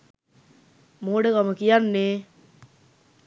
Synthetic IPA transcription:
moːɖəkaməkijanːeː

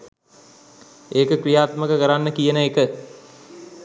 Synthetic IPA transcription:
eːkəkrijaːt̪məkəkəɾanːəkijənəekə

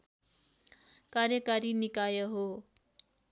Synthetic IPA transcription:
karjʌkaɾinikajʌɦo

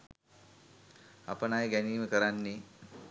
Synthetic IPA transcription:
a̰pənajɡæniːməkəɾanːi

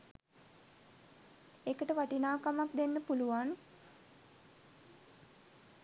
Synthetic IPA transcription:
ekəʈəʋaʈinaːkamakd̪enːəpuluʋan

